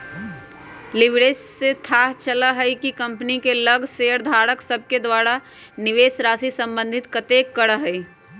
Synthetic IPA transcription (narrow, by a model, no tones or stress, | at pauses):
lɪbɽeːsːet̪ʰaːɦt͡ʃəlaɦəjkikə̃mpnikeləɡʱseəɾd̪ʱaːɾəksəb̚ʱked̪waːɾa | nɪʋeːsɾaːsisə̃mbə̃nd̪ʱɪt̪kət̪eːkːəɽəɦɛi